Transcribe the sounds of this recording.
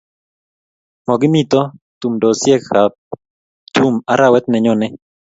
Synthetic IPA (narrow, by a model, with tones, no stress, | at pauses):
mɔ˨ɡɪ˦mi˦t̪ɔ˦ | t̪u˨mdɔ˨sjɛ˦khap | t̪u˦ma˨ɾa˨wɛ˦t̪̚nɛ˨ɲɔnɛ˦